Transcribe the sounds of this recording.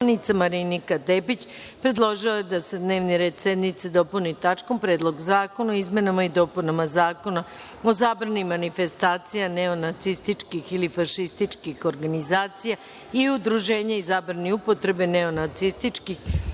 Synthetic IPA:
nit̪samaɾinikad̪eːpit͡ɕ | pɾe̞d̪lˠoʒiojed̪ase̞d̪ne̞ːʋniɾe̞ːd̪sed̪nit̪sed̪o̞punit̪at͡ʃko̞mpɾeːd̪lˠo̞ɡzaːko̞naizme̞namaid̪o̞punamazaːko̞na | o̞zaːbɾanimanife̞st̪aːt̪sijaneo̞nat̪sist̪it͡ʂkixilifaʃist̪it͡ʂkixo̞ɾɡanizaːt̪sija | iud̪ɾuʒe̞ːɲaizaːbɾaniupo̞t̪ɾe̞beneo̞nat̪sist̪it͡ʃkix

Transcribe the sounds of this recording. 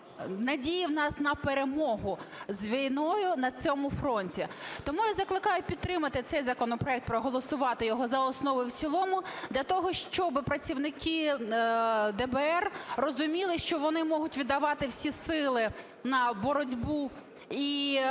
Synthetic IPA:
nɐdʲijiwnɑsnɐpeɾemɔɦʊzʲʋʲijnɔjʊnɐt͡sʲɔmʊfɾɔnʲtʲit̪ɔmujazɐklˠɪkɑjʊpʲid̪t̪ːɾɪmɐt̪ɪt̪sɛjzɐkɔnɔpɾɔɛk̚t̪̚pɾɔɦɔlˠɔsʊʋɑt̪ɪjɔɦɔzɐɔsnɔʋɔjwt͡ssʲilˠɔmʊd̪lʲɐt̪ɔɦɔʃt͡ʃɔbɪpɾɐt͡sʲiwnɪkɪ | d̪ɛbeɛrrɔzʊmʲilˠɪʃt͡ʃɔʋɔnɪmɔɦʊtʲʋʲid̪ɐʋɑt̪ɪwsʲisɪlˠɪ | nɐbɔɾɔdʲbu | i

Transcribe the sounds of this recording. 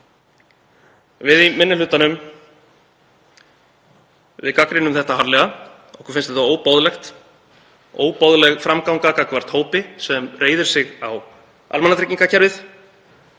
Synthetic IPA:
vɪðimɪnːɪlʏt̪anʏm | vɪðkakɾɪnʏmθɛht̪ahaɾlɛɣa | ɔhkʰʏɾfɪnst̪ɛht̪aoːwpowðlɛxt̪ | o̰ːwpowðlɛɣfɾamkawŋkakakvaɾ̥t̪hoːwpɪsɛmreːjðɪɾ̥sɪɣaw | a̰lmanat̪ʰecːiŋkacʰɛɾvɪθ

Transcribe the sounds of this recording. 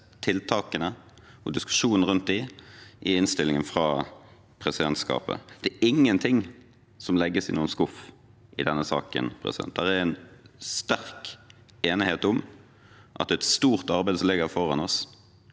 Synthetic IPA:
t̪ʰɪlt̪ʰɑːkənə | ɔd̪ɪskʉ̥ʂuːn̩əʁʉnt̪̚d̪ɪʔɪɪnst̪ɪlɪŋənfʁɑː | pʰʁɛsɪd̪ɛnt̪skɑ̰ːpə̰d̪̥ɛæːʔɪŋːənt̪ʰɪŋ | sɔmlɛɡːəsɪnuːənskʊf | ʔɪ̰d̪ɛnːəsɑ̰ːkə̰npʰʁɛ̰sɪd̪ɛ̰nt̪̚d̪æʁɛɾɛnst̪æɾk | eːnɪheːt̪ʊm | ʔɑ̰t̪̚ɛt̪st̪uːʁt̪ɑʁbæɪd̪slɪɡəfɔʁɑnɔs

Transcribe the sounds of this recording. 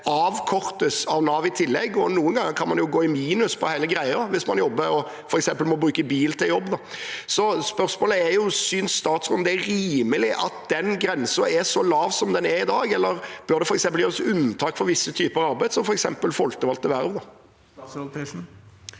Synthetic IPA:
ɑːʋkʰɔʁt̪əsɑʋnɑːʋɪt̪ʰɪlːɛ̰ɡːɔnuːənɡɑŋːəɾkʰɑnmɑnjʊɡoːɪmiːnʉspʰɔhæɪləɡɾæɪəɾʋɪsmɑnjɔbːəɔ | fɔɾɛksɛmpəlmɔbɾʉːkəbiːlt̪ʰɪljɔbːd̪ɔsɔspœʁsmoːləæjʊsynsːt̪ɑːt̪sʁʊːnd̪ɛæɾiːməlɪʔɑ̰t̪̚d̪̥ɛnɡɾɛnsəɛʂɔlɑːʋsɔmd̪ɛnɛɾɪd̪ɑːɡɛlːəɾb̥œɾd̪ɛfɔɾɛksɛmpəljøːɾəsʉnːt̪ʰɑːkfɔɾʋɪsːət̪ʰyːpəɾɑɑɾbæɪd̪sɔmfɔɾɛksɛmpəlfɔlt̪əʋɑlt̪ːəʋæɾʋd̪ɔ

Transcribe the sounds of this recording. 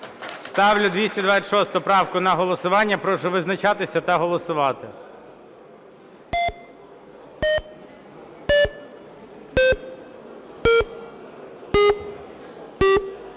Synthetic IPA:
st̪ɑwlʲʊd̪ʲʋʲisʲtʲɐd̪ʋat͡sʲɐtʃɔst̪ʊpɾɑwkʊnɐɦɔlˠɔsʊʋɑnʲːɐpɾɔʃʊʋɪznɐt͡ʃɑt̪ɪsʲɐt̪ɐɦɔlˠɔsʊʋɑt̪ɪ

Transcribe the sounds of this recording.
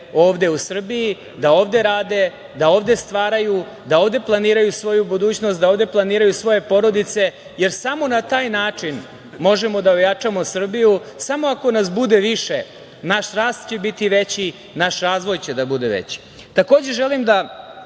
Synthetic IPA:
o̞ːʋd̪e̞usr̩biji | d̪ao̞ːʋd̪e̞ɾaːd̪e̞ | d̪ao̞ːʋd̪e̞st̪ʋaːɾaju | d̪aoːʋd̪e̞plˠaniːɾajusʋo̞jubud̪uːt͡ɕno̞st̪d̪aoːvd̪e̞plˠaniːɾajusʋo̞je̞po̞ɾo̞d̪it̪se̞ | je̞ɾsamo̞nat̪aːjnaːt͡ʂin | mo̞ʒe̞mo̞d̪aojat͡ʂamo̞sr̩bijusamoako̞nas̬bud̪eʋiʃe | naʃɾaːst̪̚t͡ɕe̞bit̪iʋet͡ɕi | naʃɾaːzʋo̞jt͡ɕed̪abud̪ḛʋḛt͡ɕi̥ | t̪ako̞ːd͡ʑe̞ʒelimd̪a

